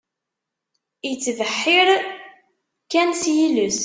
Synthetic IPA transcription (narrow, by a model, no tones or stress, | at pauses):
jət͡sːvəħːɪɾ | kænsjiləs